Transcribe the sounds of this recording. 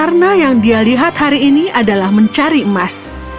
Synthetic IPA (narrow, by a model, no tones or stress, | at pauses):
arnajaŋdialiɦat̪haɾiːniadalahməɲt͡ʃaɾiəmas